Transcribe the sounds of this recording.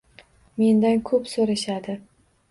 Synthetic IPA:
me̞nd̪ankʰɵpsoɾaʃad̪ɪ

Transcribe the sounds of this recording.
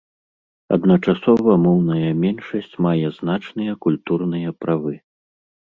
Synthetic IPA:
ɐ̰d̪nɐt͡ʂasɔvɐmɔwnɐjɐmʲɛnʂɐsʲt͡sʲmajɛznat͡ʂnɨjɐkulʲt̪urnɨjɐpɾavɨ

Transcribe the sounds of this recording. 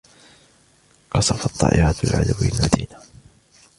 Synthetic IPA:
qɑsˤɑfɑt̪ˤːɑ̰ːʔɪʕat̪a̰lʕa̰d̪awijalmad̪iːna

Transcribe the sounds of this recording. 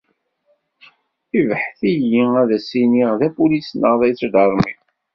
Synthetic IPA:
ivħθijiæðæsiniʁðæpulisnəʁðˤæjt͡sːd̪ɑɾˤmi

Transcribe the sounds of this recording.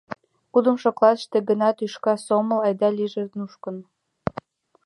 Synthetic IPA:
kud̪ə̆mʃoklɑt̪ə̥ʃt̪eɡə̆nɑt̪yʃkɑsomə̆lɑjd̪ɑliʒenuʃkə̆n

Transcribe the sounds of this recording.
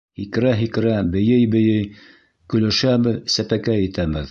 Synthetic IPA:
hik̆ɾæɦik̆ɾæbɘ̆jɘjbɘ̆jɘj | kɵ̆læ̆ʃæbɘðsæpækæjɘ̆t̪æbɘð

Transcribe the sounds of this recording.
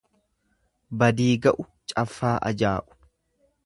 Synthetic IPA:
bɐd̪iːɡɐʔʊ | t͡ʃʼɐfːaːʔɐ̰d͡ʒaːʔʊ̥

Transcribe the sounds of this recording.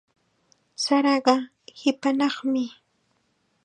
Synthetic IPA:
saɾɑɢɑ | hɪpanɑχmɪ

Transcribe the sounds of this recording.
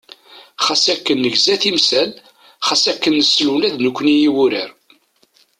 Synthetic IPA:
χasækːənːəʝzæθimsæl | χasækːənːəslunæðnəkʷːnijiwʊɾəɾ

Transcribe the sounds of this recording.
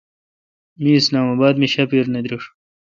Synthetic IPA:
miːslaːmabaːd̪miɕapiɾned̪ɾiʂ

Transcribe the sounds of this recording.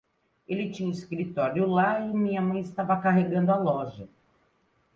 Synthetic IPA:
elɪt͡ʃĩɲɐiskɾit̪ɔɾjʊlaɪmĩɲɐmɐ̃j̃ɪst̪avɐkaɦeɡɐ̃nd̪ʊalɔʒɐ

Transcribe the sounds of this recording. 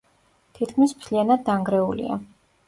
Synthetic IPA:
t̪ʰit̪kʰmismt̪ʰlianad̪ːaŋɡɾɛulḭa̰

